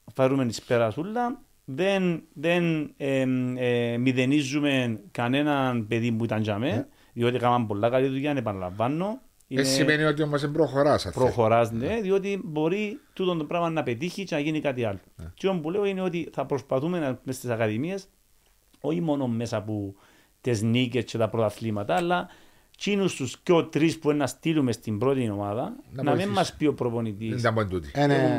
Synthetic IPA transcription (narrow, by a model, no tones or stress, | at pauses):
feɾumenispeɾɐsulːɐ | ðe̞nðe̞ne | miðe̞nizːume̞nkɐne̞nɐnpe̞ðimbuit̪ɐnd͡ʒɐme̞n | ðio̞t̪ikamɐmbo̞lːakalit̪ujanepɐna̰la̰ɱvːɐnːo | ienesːimeniot̪iomːɐs̬embɾoxoɾasɐ̰pɾoxo̞ɾazneðio̞t̪̬ibo̞ɾit̪ut̪ond̪obɾavɐnːɐpe̞t̪içit͡ʃenɐʝinikat̪iɐlːo̥t͡ʃiombuleoineo̞t̪iθɐpɾo̞spɐθume̞nmest̪isɐkɐðimie̞s | o̞çimo̞nomːe̞sɐpu | t̪e̞znice̞st͡ʃe̞t̪ɐpɾot̪ɐθlimɐt̪ɐːlːɐ | t͡ʃinust̪usco̞t̪ɾispuenːɐst̪ilume̞st̪imbɾo̞t̪io̞maðɐnɐmimmːɐspio̞pɾo̞po̞nit̪ind̪bont̪ut̪in